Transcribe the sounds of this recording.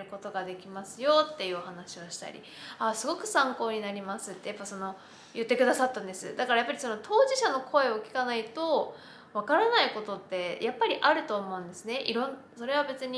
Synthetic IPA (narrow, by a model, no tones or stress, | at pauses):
ɾɯ̟ko̞t̪o̞ɡad̪e̞kʲimasɨjo̞t̪ːe̞jɯ̟ːohanaɕioɕi̥t̪a̰ɾʲḭ | asɨɡo̞kɯ̟sãŋko̞ːɲ̟inaɾʲimasɨt̪ːe̞japːaso̞no̞ | jɯ̟t̪ːe̞kɯ̟d̪asat̪ːãnd̪e̞sɨ̰d̪akaɾajapːaɾʲiso̞no̞t̪ʰo̞ːʑiɕano̞kʰo̞e̞o̞kʲi̥kanait̪o̞ | βakaɾanaiko̞t̪o̞t̪ːe̞jʔapːaɾʲiʔaɾɯ̟t̪o̞ːmo̞ɯ̟̃nd̪e̞sɨne̞ʔiɾõ̞n | so̞ɾe̞β̞abe̞t͡sɨɲ̟i